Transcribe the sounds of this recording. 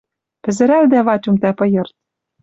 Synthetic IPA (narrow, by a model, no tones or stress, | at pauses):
pɘ̆zɘ̆ɾæld̪æβɑt͡ɕʲumt̪æpɤ̆jɤ̆rt̪̚